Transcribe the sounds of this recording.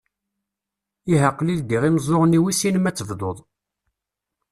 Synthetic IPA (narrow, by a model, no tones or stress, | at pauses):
iɦəqːlild̪iʁiməzˤːoʁniwisinəmæt͡sːəvd̪ˤoðˤ